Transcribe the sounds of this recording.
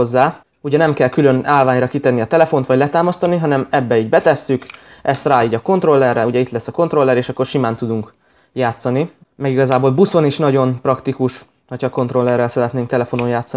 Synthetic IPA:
ozːaː | uɟɛnɛmkɛlkylø̞naːlvaːɲrɒkit̪ɛnːiɒt̪ɛlɛfo̞nt̪ʋɒɟlɛt̪aːmɒst̪ɒniɦɒnɛmɛbːɛiːɟbɛt̪ɛsːykʔɛst̪raːiːɟɒko̞nt̪ro̞lːɛrɛuɟɛit̪lɛsːɒko̞nt̪ro̞lːɛɾeːʃɒkːo̞rʃimaːnt̪ud̪uŋk | jaːt̪sɒni | mɛɡiɡɒzaːboːlbusoniʃnɒɟo̞nprɒkt̪ikuʃ | hochɒko̞nt̪ro̞lːɛrːɛlsɛɾɛt̪neːŋkt̪ɛlɛfo̞no̞njaːt̪sːɒ

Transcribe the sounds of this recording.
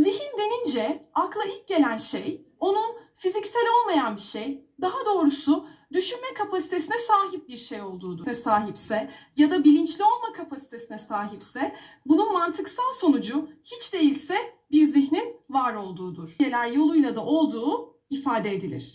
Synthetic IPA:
ziçind̪e̞nind͡ʒɛaklˠailʲcɟe̞lʲænʃej | o̞nunfizicsælʲo̞lˠmajanbiʃejd̪aɦad̪o̞ːɾusʊd̪yʃynmɛkʰapʰasi̥t̪ʰe̞sinɛsaːɦip̚biɾʃe̞jo̞lˠd̪uːd̪unɛsaːɦipsɛjad̪abilʲint͡ʃlʲio̞lˠmakʰapʰasi̥t̪ʰesinɛsaːɦipsɛ | bununmant̪ʰɯksalˠso̞nud͡ʒʊhit͡ʃd̪e̞jilʲsɛ | biɾziçninvaɾo̞lˠd̪uːd̪uɾ̥je̞lʲæɾjo̞lˠujlˠad̪aʔo̞lˠd̪uː | ifaːd̪eed̪ilʲḭɾ̝̥

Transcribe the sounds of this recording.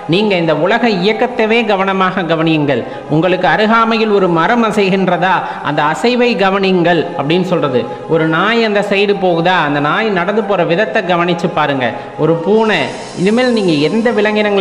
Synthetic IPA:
niːŋɡɐɪnd̪ɐʊlɐɣɐɪjɐkːɐt̪ːɐʋeːɡɐʋɐnɐmaːɣɐɡɐʋɐnɪjɯŋɡɐɭ | ʊŋɡɐɭɯkːɯɐɾɯɣaːmɐjɪlɔɾɯmɐɾɐmɐsɐjɣɪndrɐðaː | ʔɐnd̪ɐːsɐɪʋɐɪɡɐʋɐnɪŋɡɐɭɐpːɐɽɪnːɯsɔlrɐðɯ | ʔɔɾɯnaːjɐnd̪ɐsɛjɽɯpoːɣɯðaːɐnd̪ɐnaːjnɐɽɐnd̪ɯpoːɾɐʋɪðɐt̪ːɐɡɐʋɐnɪt͡ʃːɯpːaːɾɯŋɡɐ̰ | ɔɾɯpuːɳɐ | ɪðɯmeːlniːŋɡɐɪɾɯnd̪ɐʋɪlɐŋɡɪnɐŋɡɐ

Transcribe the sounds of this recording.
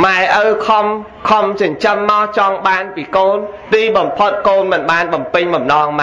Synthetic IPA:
maɛʔəwkʰɑm | kʰɑmt͡ɕʊnt͡ɕəmːaɔt͡ɕɑŋɓaːnpiːkoːn | t̪iːɓɑmpʰot̪̚koːnmɨnɓaːnɓɑmpɨɲɓɑmnɑːŋma

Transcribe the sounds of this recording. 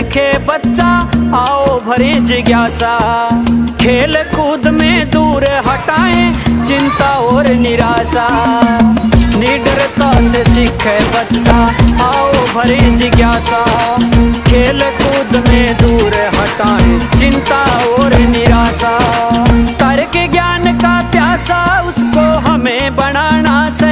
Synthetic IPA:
kʰebətːt͡ʃaaːobʱɐɾẽːd͡ʒiɡjaːsaː | kʰeːlkuːd̪mẽd̪uːɾɦəʈaːẽt͡ʃɪnt̪aːɦoːɾnɪɾaːzaː | niːɖəɾt̪aːsesɪkʰebɐtt͡ʃaãːobʱəɾẽːd͡ʒiɡjaːsa | kʰeːlkuːd̪mẽd̪uːɾɦɐʈaːẽt͡ʃɪ̃nt̪aoːɾnɪɾaːsa | t̪ɐɾkeɡjaːnkapjaːsaʊskoɦəmẽbənaːnase

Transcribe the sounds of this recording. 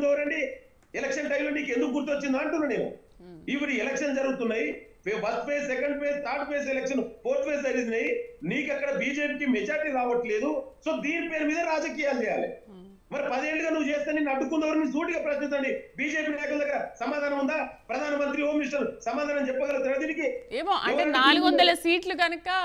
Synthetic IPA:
d̪ɐːʋɐɾɐɳɖi | ɛlɛkʂɐnʈɐjmloniːkend̪ukuɡuɾt̪uʋɐt͡ʃːind̪aːɐɳʈunːune̞ːnṵ | iʋɐɽiɛlɛkʂɐnd͡ʒɐɾuɡut̪unːaːjippɐɾt̪peːsɛkɐɳɖpeːst̪ʰaːɾʈ̚pʰeːs̬ɛlɛkʂɐnpoːɾt̪pʰeːs̬ɐɾiznɐjniːkɐkːɐɽɐbiːd͡ʒe̞ːpikimɛd͡ʒaːɾʈiɾaːʋɐʈle̞ːd̪uso̞ːd̪iːnipeːɾumiːd̪ɐɾaːd͡ʒɐkiːjaːld͡ʒɛjaːlḭ | mɐɾipɐd̪ɐeːɳɖuɡaːnuʋːut͡ʃeːst̪ɐːninɐɖukːunːɐʋɐɾunis̬uːʈiɡaːpɾɐʃnit͡ʃ̪ɐɳɖibiːd͡ʒe̞ːpiːnaːjɐkulɐd̪ɐɡːɐɾɐsɐmaːd̪ʱaːnɐmund̪aːpɾɐd̪ʱaːnɐmɐnt̪ɾioːmiʂʈɐlsɐmaːd̪ʱaːnɐmt͡ʃɛpːɐɡɐlɡut̪unːaːɾɐd̪iːnikieːmoːʔɐ̰ɳɐeɐnaːluɡoɔnd̪ɐlɐsiːʈluɡɐnɐkɐ

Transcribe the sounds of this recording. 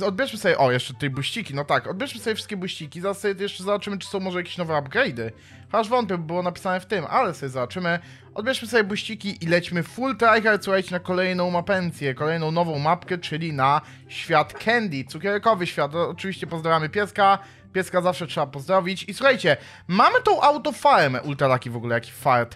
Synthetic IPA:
ɔd̪̚bʲjɛʂmɘsɔbʲɛʔɔjɛʂt͡ʂɛt̪ːɛjbuɕt͡ɕikʲinɔt̪akɔd̪̚bʲjɛʂmɘsɔbʲɛfʂɘ̥t̪kʲɛbwuɕt͡ɕikʲizaɾasːɔbʲjɛt̪jɛʂt͡ʂɛzabat͡ʂɘmɘt͡ʂɘ̥sɔ̃w̃mɔʐɛjakʲe̥ɕnɔvɛabɡɾɛjd̪ɘ | xɔaʐvɔnt̪̚pʲjɛbbɘwɔnapʲi̥sanɛft̪ɘmʔa̰lɛsɔbʲɛzabat͡ʂɘmɘ | ʔɔd̪bʲjɛʂmɘsɔbʲjɛbwuɕt͡ɕikʲiʔilɛt͡ɕmɘfult̪ɾajxasuxajt͡ɕɛnakɔlɛjnɔ̃w̃mapɛnt̪sʲjɛkɔlɛjnɔ̃w̃nɔvɔ̃w̃mapkɛt͡ʂɘlʲina | ɕfʲjat̪kʰɛnd̪ʲit̪sukʲɛɾkɔvɘɕfʲjat̪ɔt͡ʂɨvʲiɕt͡ɕɛpɔzd̪ɾavʲjamɘpʲjɛska | pʲjɛskazafʂɛtʂɛbapɔzd̪ɾɔvʲit͡ɕisuxajt͡ɕɛ | mamɘt̪ɔ̃w̃ʔawt̪ɔfaɾmɛ̰ʔult̪alakʲivɔɡulɛjakʲi̥faɾt̪

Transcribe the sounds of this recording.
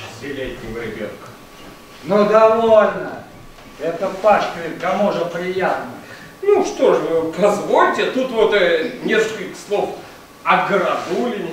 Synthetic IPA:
zʲɪlʲetʲːɪmɾʲɪbʲet̪k | nud̪ɐvolʲnə | ɛt̪əpaʂkəɾʲɪkɐmuʐəpɾʲɪjat̪nə | nuʂt̪o̞ʂpɐzvo̞lʲtʲɪt̪ut̪vot̪nʲeskəkəlʲkə̥slˠo̞f | ɐɡəɾɐd̪ulʲɪ

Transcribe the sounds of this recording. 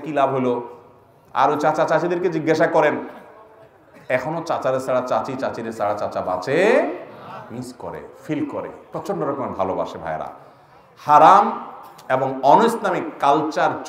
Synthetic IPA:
kilabɦolo | a̰ɾojt͡ɕat͡ɕat͡ɕat͡ɕid̪eɾked͡ʑiɡːaʃakɔɾen | ɛkʰonot͡ɕat͡ɕaɾesaɽat͡ɕat͡ɕit͡ɕat͡ɕid̪esaɽat͡ɕat͡ɕaba̰t͡ɕʰe | misko̰ɾḛfilko̰ɾḛpɾɔt͡ɕonɖoɾɔkomeɾbʱaloba̰ʃebʱa̰eɾa̰ | haɾameboŋɔnosnamikkːalt͡ɕaɾt͡ɕ

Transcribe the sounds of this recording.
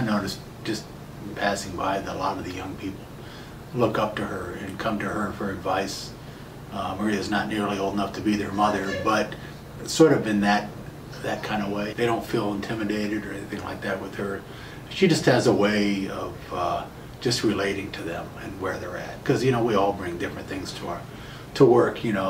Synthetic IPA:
aɪnoʊɾɨs | d̥ʒ̥ʌst | pʰæsɪ̃ŋbaɪðɨlɔɾʌvðɨjʌ̃ŋpʰipl̩ˠ | lʊkʌp̚tɨə˞ɨ̃nkʰʌ̃mtɨə˞fə˞ɨdvaɪs | mə˞iɨznətⁿnɪɹlioʊlˠdənʌftʰɨbiðə˞mʌðə˞bʌt̚ | sɔɹɾʌvɨ̃nðɨt̪̚ | ðɨt̚kʰãɪ̃ndəweɪðeɪɾõʊ̃ntfilˠə̃ntʰɪ̃mɨdeɪɾɨɾə˞ɛniθɪ̃ŋla̰ɪk̚ðæt̚wɨð̥ə˞ | ʃid͡ʒʌst̚hɨzəweɪʌvʌ̥ | d͡ʒʌst̚ɹɨleɪɾɪ̃ŋtʰɨðɨ̃mɨ̃nwə˞ðə˞æ̰t̚kʰʌzjɨnoʊwiɔlˠbɹɪ̃ŋdɪfɹɨ̃nθɪ̃ŋz̥tʰə | tʰəwɜ˞kʰjɨñoʊ

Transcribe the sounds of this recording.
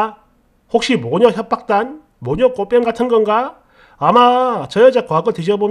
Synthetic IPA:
hok̚ɕ͈imoɲʌçjʌp̚p͈ak̚t͈an | moɲʌk͈op͈ʌnɡatʰɯnɡʌnɡaː | mat͡ɕʌjʌd͡ʑak͈oaɡɯtid͡ʑʌbom

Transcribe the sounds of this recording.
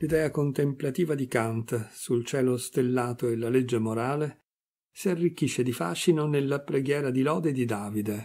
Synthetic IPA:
lid̪ɛːakont̪emplat̪iːvad̪ikant̪sult͡ʃɛːlost̪elːaːt̪oelaled͡ʒːemoɾaːle | siarːik̟ːiʃːed̪ifa̰ʃːinonelːapɾeɡjɛːɾad̪ilɔːd̪ed̪id̪aːvid̪e

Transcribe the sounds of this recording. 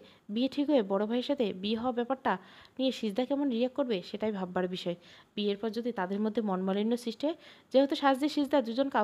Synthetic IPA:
bieʈʰikɦoebɔɽobʱaeɾʃat̪ʰebieɦɔoabɛpaɾʈanieʃid͡ʑd̪ʱakɛmonɾiakːoɾbeʃeʈajbʱabːaɾbiʃɔebieɾpɔɾd͡ʑod̪ʱit̪ad̪eɾmod̪ʱːemɔnmalinːosɾiʃʈed͡ʑeɦot̪oʃad͡ʑd͡ʑ̪iʃid͡ʑd̪ad̪ud͡ʑonka

